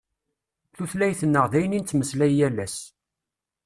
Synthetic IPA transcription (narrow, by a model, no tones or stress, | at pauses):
θuθlæjθənːəʁðæjəninːməslæjːælːæs